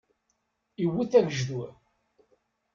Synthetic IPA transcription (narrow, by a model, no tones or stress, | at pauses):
iwːiθævəʒðu